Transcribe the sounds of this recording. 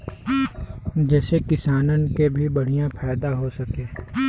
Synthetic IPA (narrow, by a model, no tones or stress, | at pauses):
d͡ʒɛːsekɪsaːnənkebʱibɐɽ̤ijãpʰɛːd̪aɦosɐkeː